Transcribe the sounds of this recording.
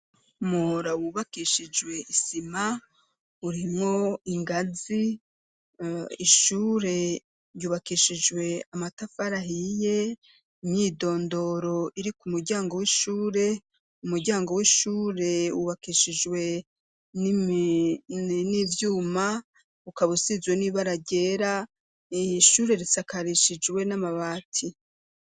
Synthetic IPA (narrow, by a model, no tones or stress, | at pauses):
moɾawuβakiʃid͡ʒwe̞ʔisima | uɾimŋo̞iŋɡazi | iʃuːɾe̞ | ɾjuːβakiʃid͡ʒwe̞amatafaɾaɦije̞ | imɲiːdo̞ːndo̞ɾo̞iɾikumuɾɟaːŋɡo̞wiʃuːɾe̞ | umuɾɟaːŋɡo̞wiʃuːɾe̞uβakiʃid͡ʒwe̞ | ni | nivjuːma | ukaβusizwe̞niβaɾaɟeːɾa | iʃuːɾe̞ɾisakʰaɾiʃid͡ʒwe̞namaβaːtʰi